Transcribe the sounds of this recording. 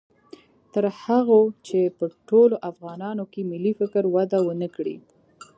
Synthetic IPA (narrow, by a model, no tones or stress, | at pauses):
t̪əɾhaɣot͡ʃepəʈoloʔafɣɑnɑnokemɪlifɪkəɾwad̪awənəkɽḭ